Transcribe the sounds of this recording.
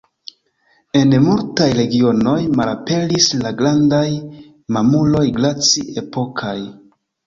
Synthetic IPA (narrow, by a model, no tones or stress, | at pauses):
e̞nmultajɾe̞ɡio̞no̞jmalape̞lislaɡɾandaj | mamulo̞jɡlat͡sie̞po̞kʰaj